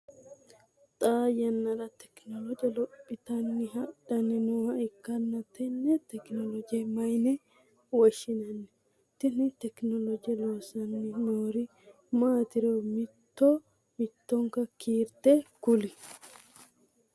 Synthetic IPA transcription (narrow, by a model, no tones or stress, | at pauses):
t̪ʼaːjɐnːɐɾɐt̪ɛ̥knɔlɔd͡ʒɐlɔpʼːɪt̪ɐnːɪɦɐᶑɐnːɪnuːhɐɪkːɐnːɐt̪ɛnːɛt̪ɛknɔlɔd͡ʒɪjɛmɐjnɛ | wɔʃɪnɐnːɛ | t̪ɛnɪt̪ɛknɔlɔd͡ʒjɛloːsɐnːɪnoːɾɪ | maːt̪ɪɾomɪt̪ːo | mɪt̪ːɔŋkɐkiːɾt̪ekʊlɪ